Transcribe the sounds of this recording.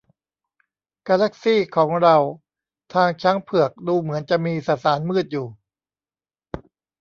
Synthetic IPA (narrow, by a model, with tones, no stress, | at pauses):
kaː˧la˦˥˩k̚siː˥˩kʰɔː˩˦ŋɾa˧w | t̪ʰaː˧ŋt͡ɕʰa˦˥ŋpʰɯ˨˩ək̚duː˧mɯ˩˦ənt͡ɕa˨˩ʔmiː˧sa˨˩saː˩˦nmɯː˥˩t̪̚juː˨˩